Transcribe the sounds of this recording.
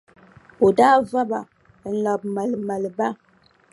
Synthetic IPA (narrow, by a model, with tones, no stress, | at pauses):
o˨da˦va˦ba˨ | n̩˨lɔ˨p̚ma˨lma˨lba˦